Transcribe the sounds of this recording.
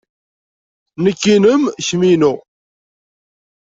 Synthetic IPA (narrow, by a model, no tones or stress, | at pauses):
nəkːinəmçminu